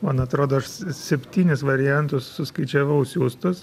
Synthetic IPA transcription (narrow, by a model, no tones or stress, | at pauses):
mɐnɐt̪ɾoːd̪oːɐʃsʲɛpʲt̪ʲiːnʲɪsʋɐɾʲɪjɛnt̪ʊssʊskɐɪt͡ʃʲɛʋɐʊsʲuːst̪ʊs